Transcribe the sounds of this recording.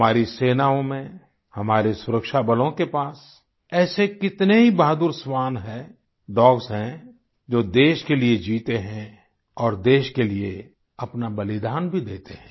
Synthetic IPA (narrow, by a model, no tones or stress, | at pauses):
maːɾiseːnaːõmẽ | hɐmaːɾesʊɾəkʃabəlõkepaːs | ɛːsekɪt̪neɦibaːd̪ʊɾsʋaːnɦɛ | ɖ̪ɔːɡsɦɛ̃ | d͡ʒoːd̪eːʃkelied͡ʒiːt̪eɦɛ̃ | ɔːɾd̪eːʃkelie | ɐpnabɐlɪd̪aːnbʱid̪eːt̪eɦɛ̃ː